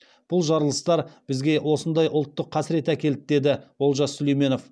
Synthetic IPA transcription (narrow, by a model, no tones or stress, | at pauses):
b̥ʊlˠʒɑɾəlˠəst̪ɑɾb̥ɪzɡʲe̞wʔo̞sənd̪ɑjʔʊlˠt̪ːəqʰːɑsɪɾe̞t̪ækʲe̞lt̪ɪd̪e̞d̪ɪwo̞lˠʒɑsʏle̞jme̞no̞f